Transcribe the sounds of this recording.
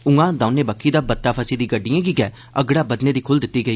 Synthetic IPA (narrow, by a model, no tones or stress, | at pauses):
ʊ̃ŋɡãːd̪ãːʊneːbəkʰːiːd̪aːbət̪ːaːpʰəsiːd̪iːɡəɖːijãːɡiːɡɛː | əɡɽaːbəd̪neːd̪iːkʰʊld̪ɪt̪ːiːɡəiː